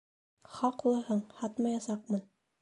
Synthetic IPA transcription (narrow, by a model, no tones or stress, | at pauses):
χɑqulˠɤhɤɴhɑt̪mɑjɑsɑq̚mɤn